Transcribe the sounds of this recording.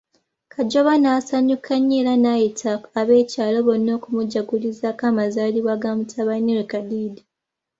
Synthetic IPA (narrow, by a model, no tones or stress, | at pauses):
kʰaɟoβanasaɲukʰaɲeːɾanajitʰaːβe̞ːcaːlo̞βonːo̞ːkumuɟaɡulizakamazaːliβwaɡamutʰaβaniwekadiːdi